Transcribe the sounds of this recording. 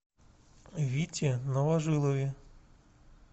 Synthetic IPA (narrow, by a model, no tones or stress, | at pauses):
ʋʲitʲinɔʋɐʒɪlˠɔʋʲi